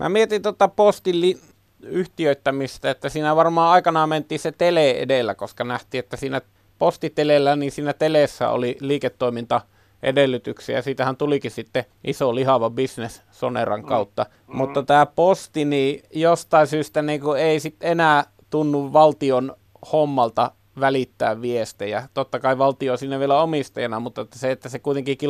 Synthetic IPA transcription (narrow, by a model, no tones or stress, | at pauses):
mʔæ̰miet̪int̪ot̪ːɑpost̪illi | yht̪iøˑt̪ːæmist̪æet̪ːæsiːnæʋɑrmɑːɑˑikɑnɑːment̪ˑiːset̪eleˑḛdelːækoskɑnæht̪ˑiːet̪ːæsiːnæ | post̪it̪elelːænisiːnæt̪eleˑsːæ̰o̰liliːket̪ːoˑimint̪ɑ | ʔḛdelːˑyt̪yksḭɑsiːt̪æhænt̪ulikissit̪ːe | ʔisolihɑʋɑbisnes | sonḛrɑ̰ŋkɑut̪ːɑ | mut̪ːɑt̪æːpost̪iniːjost̪ɑˑinsyːst̪æniːŋkueˑisit̪enæː | t̪unːuʋʋɑlt̪ion | homːɑlt̪ɑ | ʋælit̪ːæ̰ːʋʋiest̪ejæt̪ot̪ːɑkɑˑiʋɑlt̪ioisiːnːæʋielæomist̪ɑjɑnɑmut̪ːˑɑt̪ːæseet̪ːæsekuit̪eŋkiki